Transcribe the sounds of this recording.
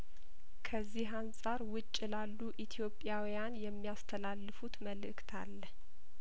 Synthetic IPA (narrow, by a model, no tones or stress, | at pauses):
kʰəzːiɦansʼaɾwʊt͡ʃʼːɪlalːuʔit̪ʰjo̞pʼjawijanjɛmːijast̪ʰəlalːɨfut̪məlɨʔɨkt̪ʰa̰lːə